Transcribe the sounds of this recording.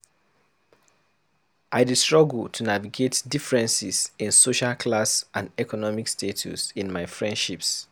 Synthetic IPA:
ʔaɪdistɹ̥ɔɡl̩ˠtʰunaviɡetdifɹɛ̃nsisĩnsoʃalkʰlasʔãndɛkɔnɔmikstʰetʰṵsĩnmaɪfɹɛ̃ndʃips

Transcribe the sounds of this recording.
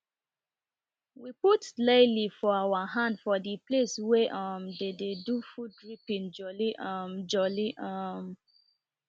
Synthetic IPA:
wiputlelifɔawaɦãndfɔdiplesweʔʌmdededufudɹipĩnd͡ʒɔliʔʌmd͡ʒɔliʔɔm

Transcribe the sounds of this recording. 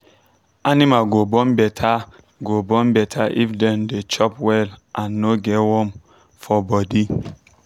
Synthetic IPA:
animalɡobɔ̃nbɛtʰa | ɡobɔ̃nbɛtʰaʔifdɛ̃ndet͡ʃɔpwɛlʔãnːoɡɛwɔ̃m | fɔbɔdi

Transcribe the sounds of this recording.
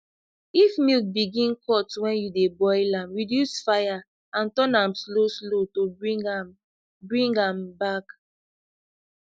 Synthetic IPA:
ifmilk̚biɡĩnkʰɔtwɛ̃njudebɔɪlãmɹidjusfaja | ãntɔ̃nãmslosloto | bɹĩŋɡãmbak

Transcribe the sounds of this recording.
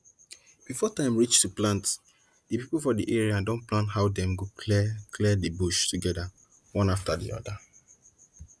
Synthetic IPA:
b̥ifɔtãɪ̃mɹit͡ʃtuplãnt | d̥ipipulfɔdiʔeɹiadɔ̃nplãnthaʊdɛ̃mɡokʰlɛdibuʃtuɡɛda | wɔ̃naftadḭɔ̰da

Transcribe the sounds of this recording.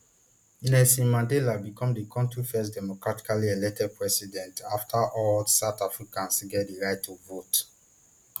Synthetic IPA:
inɛsĩnmãndɛlabikɔ̃mdikʰɔ̃mtʰufɛsdɛmɔkɹati̥kalielɛk̚tɛd̚pʰɹɛsidɛ̃ntaftʰaʔɔlsaʊtafɹikãnsɡɛtdiɹaɪtʰːuvot

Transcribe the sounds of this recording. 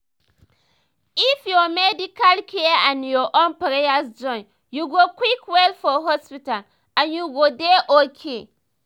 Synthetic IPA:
ifjɔmɛdikalkʰeãnjɔʔõnpaɾejasd͡ʒɔ̃n | juɡokwikwɛlfɔɦɔspital | ãnjuɡodeʔokʰe

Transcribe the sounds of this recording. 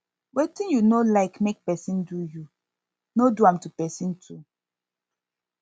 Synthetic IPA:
wetĩnjunolaɪkmek̚pɛsĩnduju | noduãmtupɛsĩntʰu

